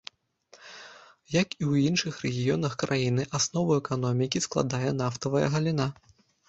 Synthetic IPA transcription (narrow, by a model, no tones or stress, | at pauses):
jɐkiwinʂɨxrɛɣʲijɔnɐxkɾʔajinɨʔasnɔvɐɛkanɔmʲikʲisklˠa̰d̪ajɛnaft̪ɐvɐjɐ̰ɣɐlʲin̪a